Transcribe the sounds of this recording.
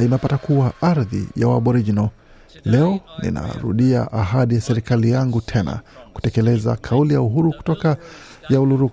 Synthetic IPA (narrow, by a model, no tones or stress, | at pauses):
imɛpatakuwaʔaɾðḭjawa̰ɓɔɾid͡ʒinɔ | lɛɔnḭna̰ɾṵɗia̰ʔaɦaɗijasɛɾikalijaŋɡutʰɛna̰ku̥tɛkɛlɛza̰kʰaulijauɦuɾuku̥tɔka | jauluɾuku̥